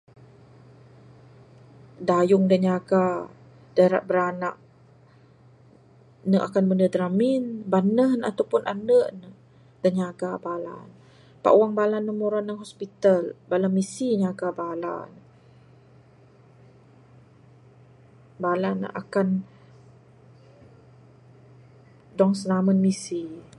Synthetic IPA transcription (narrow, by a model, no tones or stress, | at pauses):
dajʊŋdaɲaɡa | d̥aɾa̰ʔbəɾana̰ʔ̚ | nəʔa̰kanbənədɾaminbanəɦna̰t̪awpʊnʔanəʔnə | d̥aɲaɡabala̰n | pa̰ʔuwaŋbalanːəmuɾanːaŋɦɔspit̪albalamisiɲaɡabala̰n | balanə̰ʔa̰kan | dɔŋsənamənmisi